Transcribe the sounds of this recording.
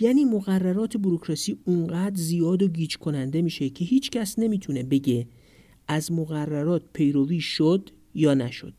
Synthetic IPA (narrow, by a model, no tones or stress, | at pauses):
jæːniːmoɣærːæɾɒːt̪ʰe̞buɾokʰɾɒsiːuɴɢæːd̪ɾzijɒːd̪oɡiːd͡ʒkʰo̞nænd̪e̞miːʃe̞cʰe̞ɦiːt͡ʃcʰæsne̞miːt̪ʰune̞be̞ɟe̞ | ʔæzmoɣærːæɾɒːt̪̚ʰpʰe̞jɾoviːʃod̪̥ | jɒːnæʃo̞̰d̪̥